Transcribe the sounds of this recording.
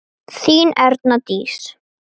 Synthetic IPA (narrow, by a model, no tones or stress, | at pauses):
θiːnɛɾt̪nat̪iːs